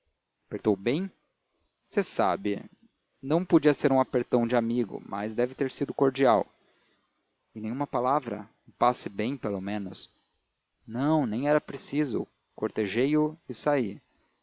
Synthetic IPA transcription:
apeɾt̪owbẽj̃ | sesa̰bɪ̰ | nɐ̃w̃pod͡ʒiɐseɾũapeɾt̪ɐ̃w̃d͡ʒɪamiɡʊ̰ma̰zd̪ɛvɪt̪eɾsid̪ʊkoɾd͡ʒiaw | ɪnẽj̃ũmɐpalavɾɐ̰ũpasɪbẽj̃pelomẽnʊ̰s | nɐ̃w̃nẽj̃ɛɾɐpɾesizʊ̰ | koɾt̪eʒejʊɪsai

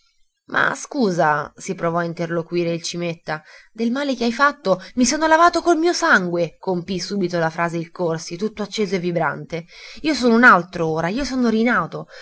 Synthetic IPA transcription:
mʔa̰skuːzasipɾovɔaint̪erlokwiːɾeilt͡ʃimet̪ːad̪elmaːlekeajfat̪ːomisoːnolavaːt̪okolmiːosaŋɡwekompisuːbit̪olafɾaːzeilkorsit̪ut̪ːoat͡ʃːeːzoevːibɾa̰nt̪eiːosoːnounalt̪ɾooːɾaiːosoːnoɾinaːt̪o

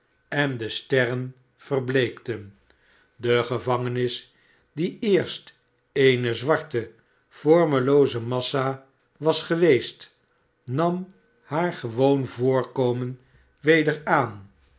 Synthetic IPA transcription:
ɛndəstɛrən | v̥ərblejktən | dəχəvɑŋənɪs | diɪːɹst | ejnəzʋɑɹtə | fɔɹməlowzəmɑsa | ʋɑsχəʋejst | nɑm | haːɹχəʋownvʊːɹkowmən | ʋejdəɹaːn

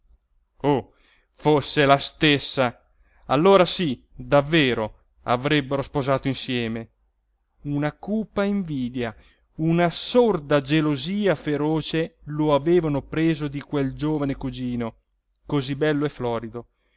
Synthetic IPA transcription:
o | fosːelast̪esːa | alːoːɾasid̪avːeːɾo | a̰vɾɛbːeɾospozaːt̪oinsjɛːme | unakuːpːaiɱviːd̪ja | unasord̪ad͡ʒeloziːafeɾoːt͡ʃeloaveːvanopɾeːzod̪ikweld͡ʒoːvanekud͡ʒiːno | kozibɛlːoefːlɔːɾid̪o

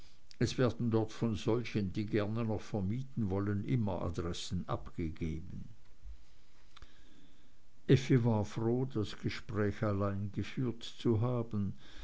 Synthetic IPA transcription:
ɛsv̥ɛːɐd̥n̩dɔɐtfɔnzɔlçənd̥iːɡɛɐnənɔχfɛɐmiːtn̩vɔlənʔɪmɐʔa̰dʁɛsn̩ʔapɡ̥əɡeːbən̩ | ʔɛfivaːɐfʁoːdasɡ̥əʃpʁ̥ɛːçalaɪnɡəfyːɐtt͡suɦaːbən̩

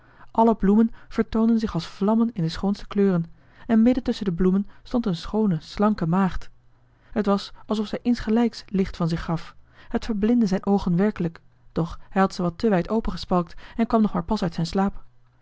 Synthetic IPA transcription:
ʔɑləblumənv̥əɹtowndənzɪχɑlˠsflɑmənɪndəsχownstə̥kløːrən | ɛnmɪdəntɵsəndəblumənstɔntənsχownəslɑŋkəmaːχt | ɦətʋɑsɑlˠsɔfsɛjʔɪnsχəlɛjkslɪχtfɑnzɪχːɑfhətfəɹblɪndəzɛjnʔowχənʋɛɹkələk | d̥ɔχhɛjɦɑtsəʋɑtəʋɛjtowpəχəspɑlˠk̚tɛnkʋɑmnɔχmaːɹpɑsœɥtsɛjnslaːp

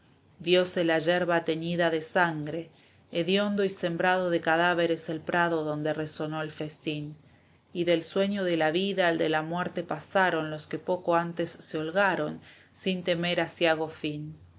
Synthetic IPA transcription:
bjo̞selaʒeɾβat̪e̞niðaðesaŋɡɾe̞ː | ðjo̞nd̪oise̞mbɾað̞o̞ðe̞kaðaβe̞ɾeselpɾʔaðo̞ðo̞nd̪ereso̞no̞elfe̞st̪in | iðe̞lswe̞ɲo̞ðelaβiðald̪elamweɾt̪e̞pasaɾo̞nlo̞ske̞po̞koant̪e̞sːeolɣaɾo̞n | sint̪e̞meɾasjaɣ̞o̞fin

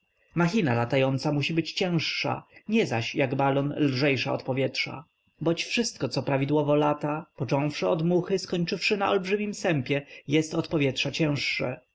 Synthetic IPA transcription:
maxʲinalat̪ajɔnt̪samuɕibɘt͡ɕt͡ɕɛ̃w̃ʂːa̰ɲɛzaɕjaɡbalɔnlʐɛjʂaɔ̰t̪pɔvʲjɛtʂa̰ | bɔt͡ɕfʂɘst̪̚kɔt̪sɔpɾavʲid̪wɔvɔlat̪apɔt͡ʂɔ̃w̃fʂɛɔd̪muxɘskɔɲt͡ʂɘfʂɘnaʔɔlbʐɘmʲimsɛmpʲjɛjɛst̪ɔt̪pɔvʲjɛtʂat͡ɕɛ̃w̃ʂːɛ̰

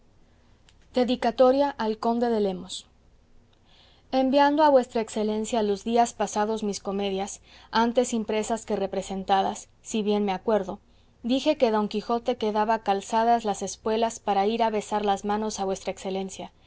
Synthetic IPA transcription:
d̪̥e̞ðikat̪o̞ɾjaʔalko̞nd̪e̞ðe̞le̞mo̞s | e̞mbjand̪oaβwe̞st̪ɾaekse̞le̞nsjalozðiaspasaðo̞zmisko̞me̞ðjasant̪e̞simpɾe̞saske̞re̞pɾe̞se̞nt̪aða̰sːiβje̞nme̞akwe̞ɾðo̞ | ðixe̞ke̞ðo̞ŋkixo̞t̪e̞ke̞ðaβakalsaðazlase̞spwe̞laspaɾaiɾaβe̞saɾlazmãno̞saβwe̞st̪ɾaekse̞le̞nsja

